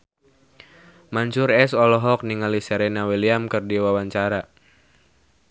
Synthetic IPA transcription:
maɲt͡ʃuɾɛsɔlɔɦɔk̚niŋalisɛɾɛnawiliamkɨrdiwawaɲt͡ʃaɾa

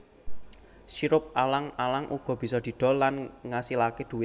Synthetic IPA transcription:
siɾʊp̚alaŋalaŋʔuɡ̥ɔ̤b̥i̤sɔd̪̥i̤d̪̥ɔ̤lanŋasilaked̪̥ṳwɪ

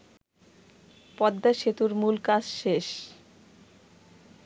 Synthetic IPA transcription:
pɔd̪ːaʃet̪uɾmulkad͡ʑʃeʃ

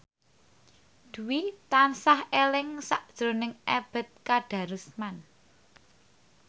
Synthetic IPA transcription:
d̪̥ṳwit̪ansahelɪŋsaʔd̥ʒ̥ɾo̤nɪŋʔeb̥ə̤t̪̚kaɖ̥ä̤ɾusman

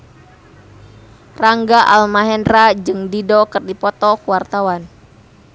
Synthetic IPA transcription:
raŋɡaʔalmaɦɛnrad͡ʒɨŋdidɔkɨrdipɔt̪ɔkuwart̪awan

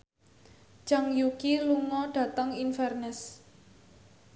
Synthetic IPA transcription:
d͡ʒ̥aŋjukiluŋɔɖ̥ä̤t̪əŋinfɛrnɛs

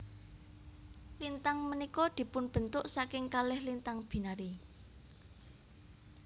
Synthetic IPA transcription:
lint̪aŋmənikɔd̪̥i̤pʊnb̥ə̤nt̪ʊʔsakɪŋkalɪhlint̪aŋb̥i̤naɾi

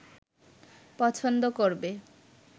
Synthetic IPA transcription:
pɔt͡ɕʰond̪okoɾbe

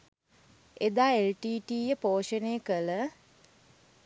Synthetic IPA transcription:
ed̪aːelʈiːʈiːjəpoːʃənejːkələ

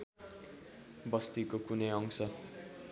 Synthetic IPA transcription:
bʌst̪ikokunʌjʌŋsʰʌ

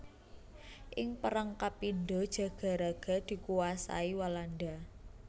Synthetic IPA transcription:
ʔɪŋpəɾaŋkapindɔd̥ʒ̥ä̤ɡ̥a̤ɾaɡ̥a̤d̪̥i̤kuwasa̰iwalanɖa

